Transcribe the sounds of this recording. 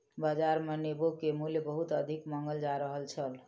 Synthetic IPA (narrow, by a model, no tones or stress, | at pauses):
bad͡ʒaɾmenebokemuljəbəɦut̪əd̪ʱikməŋɡəld͡ʒaɾəɦəlt͡ʃʰəl